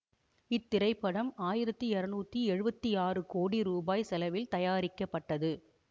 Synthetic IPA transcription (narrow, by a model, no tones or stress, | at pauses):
ɪt̪ːɪɾɐɪpːɐɽɐmaːjɪɾɐt̪ːɯɛɾɐnuːt̪ːiɛɻɯbɐt̪ːiaːrɯkoːɽiɾuːbaːjsɛlɐʋɪlt̪ɐjaːɾɪkːɐpːɐʈːɐðɯ